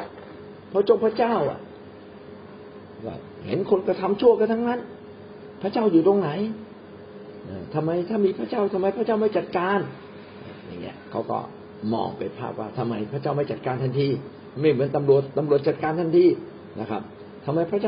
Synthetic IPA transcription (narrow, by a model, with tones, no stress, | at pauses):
pʰɔ˦˧˥t͡ɕo˧˩pʰɾa˧˥t͡ɕaː˥˩wʔa̰˨˩ʔ | kɔ̰ː˧˩ | hḛ˨˦nkʰo˧nkɾa˧t̪ʰa˧mt͡ɕʰu˥˩əka˧nt̪ʰa˥ŋna˦˥˨n | pʰɾa˦˥t͡ɕaː˥˩wjuː˨˩t̪o˧ŋna˩˨˦j | ʔaː˧˩t̪ʰa˧mːa˧jt̪ʰaː˥˩miː˧pʰɾa˦˥˩t͡ɕaː˥˩wt̪ʰa˧mːa˧jpʰa˦˥t͡ɕaː˥˩wma˥˩jt͡ɕa˨˩t̪̚kaː˧n | ʔaː˧˩ja̰˨˩ŋːḭ˦˥ɐkʰa̰˦˥˩wkɔ̰ː˥˩ | mɔ̰ː˧ŋpa˧jpʰa̰ː˥˩p̚waː˧˥˩t̪ʰa˧mːa˧jpʰɾa˦˥˩t͡ɕaː˥˩wma˥˩jt͡ɕa˨˩t̪̚kaː˧nt̪ʰa˧˥˩nt̪ʰiː˧˥˩ | ma˧˩jmɯː˨˦ənt̪a˧mɾu˨˩ət̪ːa˧mɾu˨˩ət̪̚t͡ɕa˨˩t̪̚kaː˧nt̪ʰa˥˩nt̪ʰiː˧˩ | na̰˦˥kʰa̰˦˥p̚ | t̪ʰa˧mːa˧jpʰɾa˥˩t͡ɕaː˥˩